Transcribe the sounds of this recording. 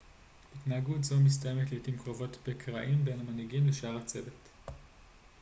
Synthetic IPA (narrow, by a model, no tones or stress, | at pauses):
itnaaɡutzomis̬taje̞metlejotimkʁo̞vo̞tbekʰʁa̰ʔimbejnamaniɡimleʃaaʁat͡se̞vet